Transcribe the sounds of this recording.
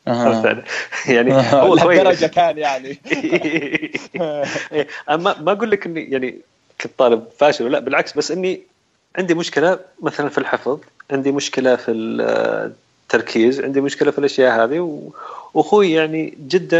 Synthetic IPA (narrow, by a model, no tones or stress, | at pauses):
amfa̰ʕlajaʕniʊwːaʃwajːɾˤɑd͡ʒakaːnjaʕni | ʔeːʔanmamaɡuːlːɪkʔɪnːijaʕni | kːt̪ˤːɑːlɪb̚faːʃɪlwlːaʔbɪlʕaksbasːʔɪnːi | ʕɪnd̪imʊʃkɪlamaθalanfilħɪfðˤʕɪnd̪imʊʃkɪlafil | t̪ːɑɾˤkʰiːzwʕɪ̰nd̪imʊʃkɪlafilʔaʃjaːʔhaːðiwwaxuːjjaʕnid͡ʒɪd̪ːa